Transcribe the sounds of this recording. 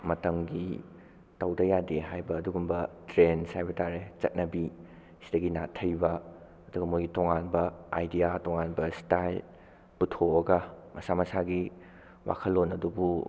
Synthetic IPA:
mɐtɐmɡi | tawdɐjadeɦajbɐːduɡumbɐtɾensajbɐtaɾet͡ʃɐ̰t̚nɐbi | sidɐɡina̰tʰɐjbɐ | ɐduɡɐmojɡitoŋanbɐajdijatoŋanbɐstajl | butʰoɐɡɐmɐsamɐsaɡi | wʔa̰kʰɐlːonɐdubu

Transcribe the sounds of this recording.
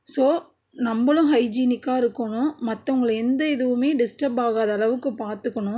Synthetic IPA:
soː | nɐmbɐlʊ̃ɦɐɪd͡ʒiːnɪkːaːɪɾɯkːɐɳʊ̃mɐt̪ːɐʊŋɡɐɭɛnd̪ɐɪðɯʋɯmeːɖɪsʈɐbaːɣaːðɐːlɐʋɯkːɯpaːɾt̪ɯkːɐɳʊ̃

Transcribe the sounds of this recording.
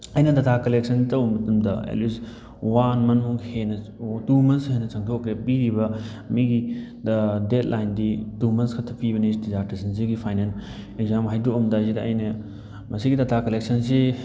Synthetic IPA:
ɐjnɐdɐtʰakɐleksɐntɐwmɐtɐmdɐḛlis | wanmɐnmuŋhenɐtumɐnsɦɐjnɐt͡ʃɐŋtʰokɾepiɾibɐmiɡidɐdet̚lʔajnditumɐnskʰɐtʰːɐpibɐnisdizaɾtisɐns̬iɡipʰajnen | eɡzamɦajduomdazidɐɐ̰jnɐ | mɐsiɡitɐtʰakɐlek̚sɐns̬e

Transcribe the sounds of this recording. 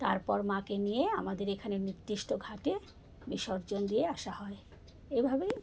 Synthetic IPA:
t̪aɾpɔɾmãkenijeamad̪eɾekʰaneɾniɾd̪ɾiʃʈoɡʱaʈe | biʃɔɾd͡ʑond̪ieaʃahɔe | ejbʱabej

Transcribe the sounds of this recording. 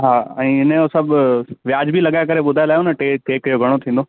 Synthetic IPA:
ɦaːɛ̃ːɪnẽosɐbʱʋjaːd͡ʑbʱilɐɠaːjekɐɾeɓʊd̪ʱajelaːɦjonəʈeʈeːkjoɡʱɐɽ̃ot̪ʰĩːnd̪oː

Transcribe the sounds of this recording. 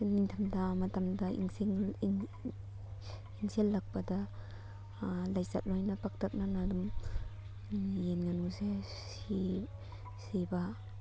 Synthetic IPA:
niŋtʰamdamatamdaḭŋsiŋ | iŋselːak̚bada | lajzat̚lɔjnapak̚tʰak̚nanadum | jenŋanuse | si | siba

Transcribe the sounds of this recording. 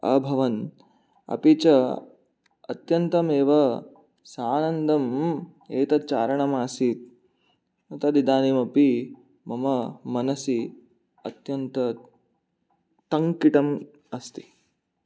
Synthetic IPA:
ɐ̰bʱɐʋɐn | ɐ̰pit͡ʃɐ | ɐ̰t̪jɐnt̪ɐmeːʋɐ | saːnɐnd̪ʱɐm | eːt̪ɐt͡ʃaːɾɐɳɐmaːsit̪̚ | ɐt̪ɐd̪id̪aːniːmɐpi | mɐmɐmɐnɐsi | ɐt̪jɐnt̪ɐ | t̪ɐŋkiʈɐm | ɐst̪i̥

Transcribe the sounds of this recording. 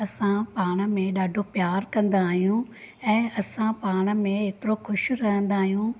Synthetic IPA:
ɐsãpaːɽ̃ə̆mẽɗaːɖʱopjaːɾkɐ̃nd̪aːɦijũ | ɛ̃ːɐsãpaːɽ̃ə̆mẽeːt̪ɪɾoxʰʊʃɾɐɦə̃nd̪aːɦijũ

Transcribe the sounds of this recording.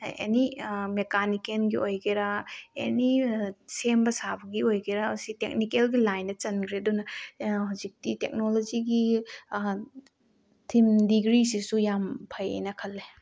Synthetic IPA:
ḛnimekanikenɡiʔojɡeɾaḛnisembɐsabɐɡiojɡeɾasitek̚nikelɡilajnɐt͡ʃɐnkʰɾedunɐhazik̚titek̚nolod͡ʒiɡi | tʰimdiɡɾisisujampʰɐjḛnɐkʰɐlːe

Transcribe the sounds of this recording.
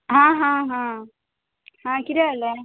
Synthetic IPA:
ɦãːɦãːɦãː | hãːkɪɾjalːe

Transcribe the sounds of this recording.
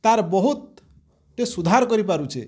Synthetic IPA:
t̪aɾbɔɦut̪̚ | ʈesud̪ʱaɾkɔɾipaɾut͡ʃʰḛ

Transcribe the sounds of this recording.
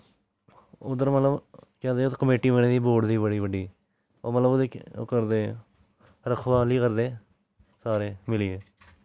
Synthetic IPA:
ʊd̪əɾmət̪ləbkɛ̃ːd̪eːot̪ːkəmeːʈiːməɳẽːd̪iːboːɖd̪iːbəɽiːbəɖiː | oːmət̪ləbd̪eːkəɾd̪eː | ɾəkʰʋaːliːkəɾd̪eː | saːɾeːmɪlieː

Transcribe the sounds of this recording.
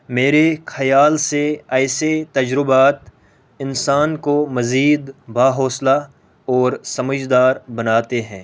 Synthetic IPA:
meːɾexɐjaːlseɛːset̪ɐd͡ʒɾɪbaːt̪ | ɪnsaːnkomɐziːd̪baːɦɔːsla | ɔːɾsɐməd͡ʒd̪aːɾbɐnaːt̪eɦɛ̃ː

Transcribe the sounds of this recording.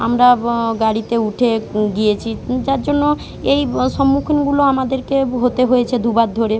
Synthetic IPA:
amɾaɡaɽit̪euʈʰeɡijet͡ɕʰid͡ʑaɾd͡ʑonːo | ejʃɔmːukʰinɡuloamad̪eɾkeɦot̪eɦoet͡ɕʰed̪ʱubad̪ʱoɾe

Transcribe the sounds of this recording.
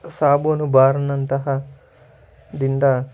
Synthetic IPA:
saːboːnubaːɾɐnːɐnt̪ɐɦɐ | d̪ind̪ɐ

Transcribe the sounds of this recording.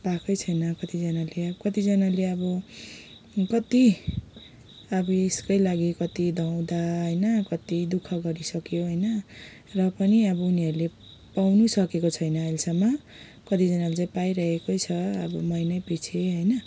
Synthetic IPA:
pakʰʌjt͡sʰʌjnʌkʌt̪id͡zʌnaleʌkʌt̪id͡zʌnaleʌbʌ | kʌt̪i | ʌbʌiskʌjlaɡikʌt̪id̪ʱʌw̃d̪aɦʌjnʌkʌt̪id̪ukʰʌɡʌɾisʌkjoɦʌjnʌ | rʌpʌniʌbʌuniɦʌɾule | pawnusʌkekot͡sʰʌjnʌʌjlsʌmːa | kʌt̪id͡zʌnalet͡saĩpajɾʌɦekojt͡sʰʌʌ̰bʌmʌjnʌjpit͡sʰeɦʌjnʌ

